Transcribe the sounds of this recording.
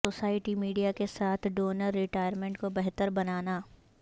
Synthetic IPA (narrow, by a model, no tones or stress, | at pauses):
oːsaːɪʈimiːɖijakesaːt̪ʰɖoːnəɾːɪʈaːjəɾmẽɳʈkobɛɦt̪əɾbɐnaːnaː